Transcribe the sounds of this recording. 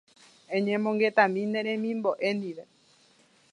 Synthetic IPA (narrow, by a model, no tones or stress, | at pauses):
ẽɲẽmõŋɡe̞t̪ãmĩneɾẽmĩmbo̞ʔe̞nd̪iʋe̞